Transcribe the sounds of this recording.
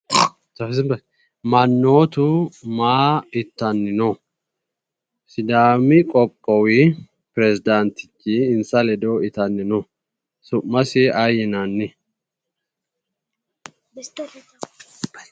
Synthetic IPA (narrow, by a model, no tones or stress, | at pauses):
tɐfsɪmɐ | mɐnːo̞ːt̪ʊmaːɪt̪ːɐnːɪnɔ | sɪd̪aːmɪkʼɔkʼːɔwɪ | pɪɾɛzɪd̪ɐnt̪ɪ̥t͡ʃːiːnsɐlɛd̪oɪt̪ɐnːɪnɔ | sʊmːɐsɪʔɐjɛnɐnːɪ